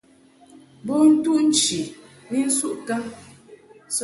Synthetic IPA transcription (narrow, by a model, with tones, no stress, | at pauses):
bo˦n̩˦tu˦ʔn̩˦t͡ʃi˨ | mi˦n̩˦su˦ʔka˦ | s